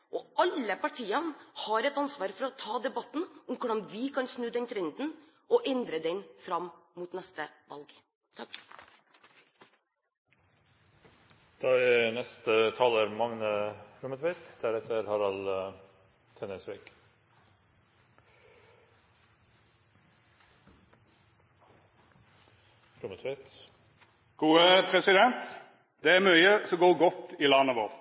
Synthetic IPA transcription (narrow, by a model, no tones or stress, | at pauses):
ʔɔɑləpɑʈʰiːɑnhɑɾɛt̪ɑnsʋɑːɾfɔɾɔt̪ʰɑːd̪ɛbɑt̪n̩ʊmkʊɖɑnd̪ʋɪkʰɑnsnʉːd̪ɛnt̪ʰɾɛnd̪n̩ | ʔɔʔɛnd̪ɾəd̪ɛnfɾɑmmuːt̪nɛst̪əʋɑ̰lɡ | d̪̥ɑːɛnɛst̪ət̪ʰɑːləɾmɑŋnəɾʊmət̪ʰʋeɪt̪d̪̥æɾɛt̪əɾhɑɾɑl | t̪ʰɛnəsʋeːk | ɾʊmət̪ʰʋet̪ | ɡ̥uːəpʰʁɛsɪd̪ɛnt̪ | d̪̥ɛːæːmœʏəsɔɡoːʁɡɔt̪ːiːlɑnəʋoːʁ